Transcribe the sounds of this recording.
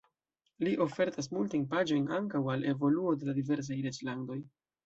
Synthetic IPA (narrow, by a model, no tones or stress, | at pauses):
liʔo̞fe̞ɾtas̬multajnpad͡ʒo̞jnaŋkawale̞vo̞luode̞ladive̞ɾs̬ajɾet͡slando̞j